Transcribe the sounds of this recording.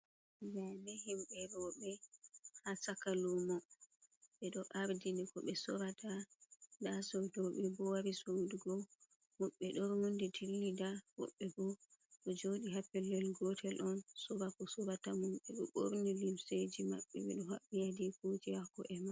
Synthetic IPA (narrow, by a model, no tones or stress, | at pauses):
bɛmɛɦimbɛɾɔɓɛhasakalumɔ | ɓɛɗɔʔaɾdinikɔɓɛsɔɾatadasowdɔɓɛbɔwaɾisowduɡɔ | mɔɓːɛɗɔɾmunditʰilːidawɔ̰ɓːɛbɔɗɔd͡ʒoɗiɦapːɛlːɛlɡɔtʰɛlʔɔnsɔɾakɔsɔɾatamumɓɛɗɔɓo̰ɾnilimsed͡ʒima̰ɓːɛ̰ɓɛ̰ɗɔɦaɓːijadikutihakɔʔɛma